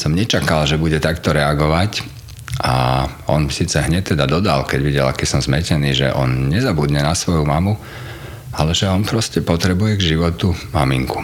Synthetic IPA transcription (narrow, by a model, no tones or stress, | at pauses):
sɔmɲɛt͡ʃakalʒɛbuɟɛt̪akt̪ɔɾɛaɡɔʋac | ʔa̰ɔ̰nmsiːt͡sɛɦɲɛc̚t̪ɛd̪ad̪ɔd̪a̰lkɛɟʋiɟɛlakɛsɔmzmɛcɛniːʒɛ̰ʔɔ̰nɲɛzabud̪ɲɛnasʋɔjumamu | alɛʒɛɔnpɾɔscɛpɔt̪ɾɛbujɛɡʒiʋɔt̪umamḭŋku̥